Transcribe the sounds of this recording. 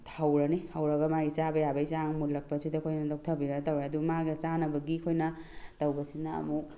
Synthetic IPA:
tʰawɾaniawɾɐɡamaisabajabajsaŋmulːɐk̚pasʰidakʰojnɐdawk̚t̪ʰabiɾatawɾaad̪umaɡat͡ʃanabɐɡikʰojnɐtawbɐsinaɐ̰muk

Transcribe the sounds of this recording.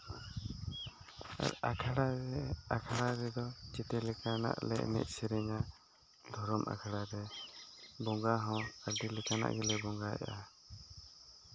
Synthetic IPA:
a̰ɾakʰaɽaɾɛakʰaɽaɾɛd̪ɔt͡ʃɛt̪ɛlɛkana̰ʔlɛʔnɛ̰ʔ̚sɛɾɛɲa | d̪ʱɔɾɔmʔa̰kʰaɽaɾɛ | bɔŋɡaɦɔ̃kəɖilɛkana̰ʔɡɛlɛbɔŋɡaɛ̰ʔa

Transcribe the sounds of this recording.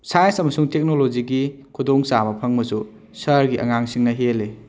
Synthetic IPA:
sajɐnsɐmɐsuŋtek̚nolod͡ʒiɡikʰudoŋsamɐpʰɐŋbɐsu | sɐɾɡiʔɐ̰ŋaŋsiŋnɐɦele

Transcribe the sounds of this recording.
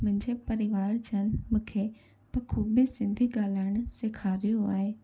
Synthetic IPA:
mʊ̃ɦɪ̃ɲd͡ʑepɐɾɪʋaːɽd͡ʑʰɐnmʊ̃kʰe | pɐkʰuːbɪsɪ̃nd̪ʱiɡaːlaːɪɽ̃seːkʰaːɾijoa̰ːɦeː

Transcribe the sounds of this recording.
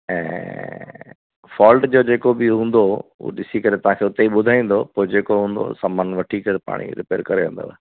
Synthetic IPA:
ɛ̰̃ː | fɔːlʈd͡ʑoːd͡ʑeːkobɪɦũːn̆d̪oṵɗɪsikɐɾet̪ɐʋ̤ãːkʰeːʊt̪eiɓʊd̪ʱaːĩːn̆d̪opoːd͡ʑeːkoɦũːn̆d̪o̰sɐmənʋɐʈʰikɐɾepa̰ːɽ̃ḭɾɪ̰peːɾkɐɾeʋẽnd̪o̰

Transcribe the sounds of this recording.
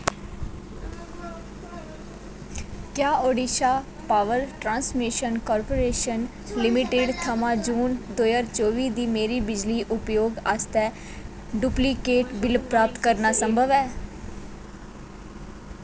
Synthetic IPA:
kjaːoːɖiːʃaː | paːʋəɾʈɾãːnsmɪʃənkɔːɾpoːɾeːʃən | lɪmɪʈeːɖt̪ʰəmãːd͡ʒuːnd̪oːjaːɾt͡ʃoːʋiːd̪iːmeːɾiːbɪd͡ʒliːʔʊpjoːɡast̪ɛː | ɖuplikeːʈbɪlpɾaːp̚t̪kəɾnaːsəmbʱəʋɛː

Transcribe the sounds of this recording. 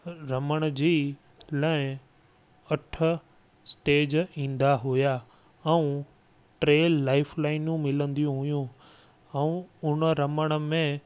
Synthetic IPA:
ɾɐməɽ̃d͡ʑiː | lãːɪ̃ | ɐʈʰə̆ | sʈeːd͡ʑĩːnd̪aɦuja | ɛ̃ũ | ʈɾeːlːaːɪfʰlaːɪnjũmɪlə̃nd̪ijũɦʊjũ | ɛũʊnəɾɐməɽ̃ə̆mẽ

